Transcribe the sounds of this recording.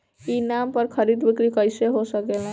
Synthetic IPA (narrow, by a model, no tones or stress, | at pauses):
inaːmpəɾkʰəɾid̪bɪkɾikəɪseɦosəkelẽ